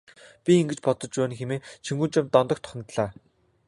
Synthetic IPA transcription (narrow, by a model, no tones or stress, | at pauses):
pʲiiŋɡɘ̆t͡ɕpɔt̪ɞ̆t͡ɕpæːnxemeːt͡ɕʰiŋɡuːnt͡ɕămt̪ɔnt̪ɞ̆k̚t̪ʰɔ̥χ̆ʲŋt̪ɮaː